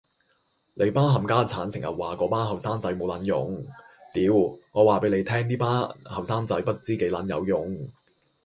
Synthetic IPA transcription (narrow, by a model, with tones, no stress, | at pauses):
le˨˧jpaː˥ɦɐ˨˩mkaː˥t͡sʰaː˨˥nsɪ˨˩ŋjɐ̰˨t̚waː˨kɔː˨˧˥paː˥nɦɐ˨˩wsaː˥mt͡sɐ˨˥jmo˨˧wlɐ˨˥njʊ̰˨˥ŋ | t̪iː˨˧wŋɔː˨˧waː˨˩pe˨˧˥le˨˧jt̪ʰɛː˥ŋt̪iː˥paː˥hɐ˨wsaː˥mt͡sɐ˨˥jpɐ˥t̚t͡siː˥ke˨˥jlɐ˨˥njɐ̰˨˧wjʊ˨˩ŋ